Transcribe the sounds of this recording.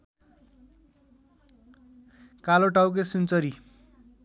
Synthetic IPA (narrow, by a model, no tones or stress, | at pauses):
kaloʈawk̬esunt͡sʌɾi